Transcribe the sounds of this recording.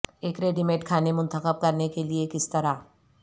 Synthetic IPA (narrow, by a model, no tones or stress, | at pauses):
eːkɾeːɖɪmeːʈkʰaːnemʊ̃nt̪əxəb̚kɐɾnekeliekɪst̪ɐɾaː